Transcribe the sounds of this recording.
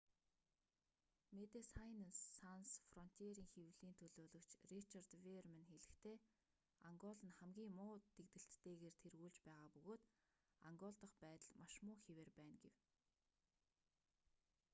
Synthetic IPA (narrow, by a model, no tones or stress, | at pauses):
met̪ĕsajnasːansfrɔn̥t̪ʰeɾiːŋxewɮiːnt̪ʰɵɮoːɮɵ̆wt͡ɕrit͡ɕart̪wermanxeɮɘ̆kt̪ʰeː | aŋɡɔɮə̆nχæmɡʲiːŋmʊːt̪ekt̪ɘ̆ɬt̪ːeːɣeːrt̪ʰerɣuːɮt͡ɕpæːʁaːpɵɣoːt̪ | aŋɡɔɮt̪ə̆χpæːt̪ə̆ɮmaʃmʊːxeweːrpæːnɡew